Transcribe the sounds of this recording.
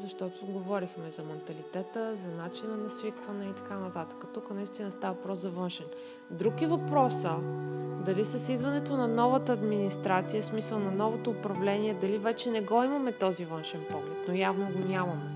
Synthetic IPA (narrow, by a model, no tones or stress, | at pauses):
zɐʃt̪ɔt̪oɡovɔɾixmɛzɐmɛnt̪ɐlit̪ɛt̪əzɐnat͡ʃinənɐsvikvənɛit̪ɐ̥kanɐt̪at̪ə̥kət̪ukənɐist̪inəst̪avɐvɐpɾɔszɐvɤnʃɛn | d̪ɾukivɐpɾɔsəd̪ɐlisɐsid̪vɐnɛt̪onɐnɔvət̪əːd̪minist̪ɾat̪sijəsmisəlˠnɐnɔvot̪oːpɾɐvlɛniɛd̪ɐlivɛt͡ʃɛnɛɡɔimɐmɛt̪ɔzivɤnʃɛnpɔvʊt̪̚nojavnoɡonʲamɐmɛ